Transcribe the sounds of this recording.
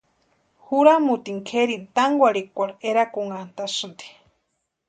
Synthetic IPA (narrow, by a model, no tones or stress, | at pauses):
huɾamut̪iŋkʰeɾint̪aŋɡʷaɾikʷaɾeɾakuŋant̪asɨnt̪i̥